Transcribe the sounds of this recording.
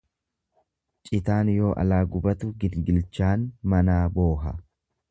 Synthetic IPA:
t͡ʃʼɪt̪aːnjo̞ːʔɐ̰laːɡʊbɐt̪ʊɡɪnɡɪlt͡ʃaːnmɐnaːboːɦɐ̰

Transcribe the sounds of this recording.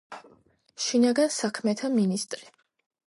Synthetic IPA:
ʃinaɡansakʰmɛt̪ʰaminist̪ʼɾi

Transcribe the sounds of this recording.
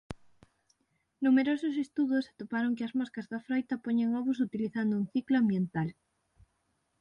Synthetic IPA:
numeɾosʊsest̪uðʊsat̪opaɾoŋkɪɐzmɔskɐzðɐfɾɔjt̪ɐpoɲeŋɔβus̬ut̪iliθand̪ʊuŋθiklʊambjent̪al

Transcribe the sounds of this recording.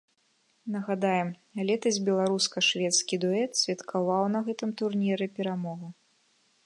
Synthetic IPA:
nɐɣad̪ajɛmlʲɛt̪ɐzʲbʲɛlˠaɾuskɐʂvʲɛt̪skʲid̪uɛt̪sʲvʲɐt̪kʰavawn̪ɐɣɛt̪ɨmt̪urnʲiɾɨpʲɛɾamɔɣu

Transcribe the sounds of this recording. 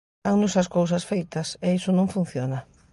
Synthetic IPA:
aŋnʊsɐskows̬ɐsfejt̪ɐsɛisʊnõŋfun̟θjona

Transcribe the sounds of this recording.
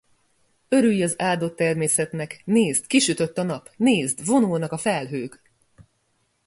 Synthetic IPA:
ø̞ɾyjːɒzaːd̪o̞t̪ːɛrmeːsɛt̪nɛkneːzt̪kiʃyt̪ø̞t̪ːɒnɒpneːzd̪vo̞nulnɒkɒfɛlɦøːk

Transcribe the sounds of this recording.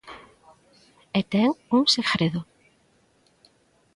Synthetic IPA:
et̪ɛŋuŋsekɾeðʊ

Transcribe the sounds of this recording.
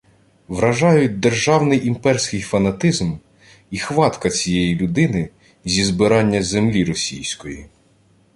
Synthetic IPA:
ʋɾɐʒɑjʊt̚ʲd̪erʒɑwnɪjimpɛrsʲkɪjfɐnɐt̪ɪzm | ixʋɑt̪kɐt͡sʲijɛjilʲʊd̪ɪnɪ | zʲizbɪɾɑnʲːɐzemlʲiɾɔsʲijsʲkɔjḭ

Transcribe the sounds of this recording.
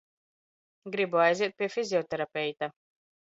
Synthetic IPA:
ɡɾiboajzet̪̚pefiziot̪eɾapejt̪a

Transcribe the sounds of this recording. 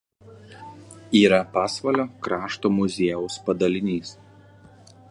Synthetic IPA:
iːɾɐpɑːsʋɐlʲoːkɾɑːʃt̪oːmʊzʲeɛʊspɐd̪ɐlʲɪnʲiːs

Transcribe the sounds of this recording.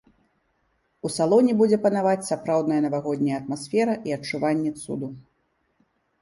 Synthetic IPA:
usalˠɔnʲɛbud͡zʲɛpɐnavat͡sʲsapɾawd̪nɐjɐnɐvaɣɔd̪ʲnʲɐjɐt̪masfʲɛɾɐʔiɐt͡ʂːuvanʲːɛt̪sṵd̪u

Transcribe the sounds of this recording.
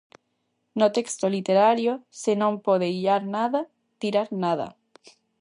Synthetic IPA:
not̪ekst̪olit̪eɾaɾjosenõŋpoð̞eiʎaɾnaða | t̪iɾaɾnaðɐ̰

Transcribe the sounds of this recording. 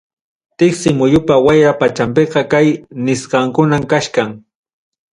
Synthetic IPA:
t̪ɪksɪmʊjʊpawajɾapat͡ʃampeqɑkajnɪsqɑŋkʊnamkaʃkaŋ

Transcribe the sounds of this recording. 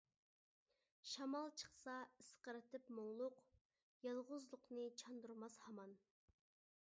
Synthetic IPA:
ʃɑmɑlˠt͡ʃʰə̥χsɑisqəɾɨt̪ʰɪpmoŋlˠʊq | jɑlˠʁʊzlˠʊqnɨt͡ʃʰɑnd̪uɾmɑshɑmɑn

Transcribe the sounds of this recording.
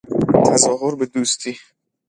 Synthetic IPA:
t̪ʰæzɒːɦoɾbe̞d̪uːst̪ʰiː

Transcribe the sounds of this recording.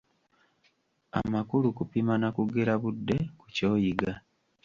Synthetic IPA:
a̰makulukupimanakuɡeɾaβudːe̞ku̥co̞ːjiɡa

